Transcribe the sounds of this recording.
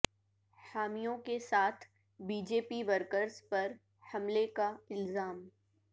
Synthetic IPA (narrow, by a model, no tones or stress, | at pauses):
haːmijõkesaːt̪ʰ | biːd͡ʒeːpiʋəɾkəɾz̥pɐɾ | hɐmlekaɪlzaːm